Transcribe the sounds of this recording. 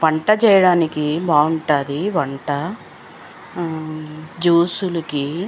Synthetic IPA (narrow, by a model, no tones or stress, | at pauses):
ʋɐɳʈɐt͡ʃɛːjɐɽaːnikibaːuɳʈaːd̪iʋɐɳʈɐ | d͡ʒuːsulɐki